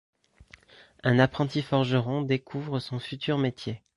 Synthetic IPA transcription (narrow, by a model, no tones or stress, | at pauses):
ɛ̃napχɑ̃t̪ifɔʁʒəʁɔ̃d̪ekʰuvʁəsɔ̃fyt̪yʁmet̪ʰje